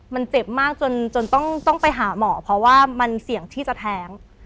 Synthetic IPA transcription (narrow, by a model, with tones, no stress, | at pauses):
ma˧nt͡ɕe˨˩p̚maː˥˩k̚t͡ɕo˧nt͡ɕo˧nt̪ɔ˥˩ŋt̪ɔ˥˩ŋpa˧jɦaː˩˦mɔː˩˦pʰɾɔ˦˥waː˥˩ma˧nsi˨˩˦əŋt̪ʰiː˥˩t͡ɕa˨˩t̪ʰɛː˦˥ŋ